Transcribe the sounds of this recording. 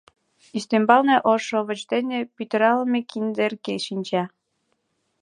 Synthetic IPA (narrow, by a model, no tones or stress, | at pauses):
yst̪embɑlneʔoʃoβə̆t͡ɕd̪enĕpyt̪ə̆ɾɑləmekind̪erkeʃinʲt͡ɕɑ